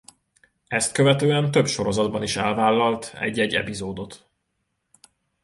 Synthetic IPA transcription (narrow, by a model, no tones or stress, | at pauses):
ɛst̪̚køvɛt̪øːɛnt̪ø̞pʃo̞ɾo̞zɒd̪̚bɒniʃɛlvaːlːɒlt̪ɛ̰ɟːɛɟːɛ̰pizoːd̪o̞t̪